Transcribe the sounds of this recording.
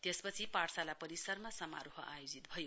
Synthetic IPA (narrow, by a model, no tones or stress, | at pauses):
t̪espʌt͡sʰipaʈsalapʌɾisʌrmasʌma̰ɾoɦʌʔajod͡zit̪bʱʌjo